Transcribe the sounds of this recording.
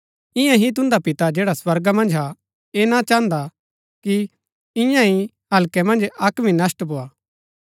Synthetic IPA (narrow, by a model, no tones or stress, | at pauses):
ɪ̃jãɦit̪̬ʊ̃nd̪apɪt̪ad͡ʒɛːɽaswɐɾɡamɐ̃nd͡ʒɦa | enat͡ʃãːnd̪a | ki | ɪ̃jãɦi | ɦɐlkɛmɐ̃nd͡ʒɐkmĩnɐsʈboaː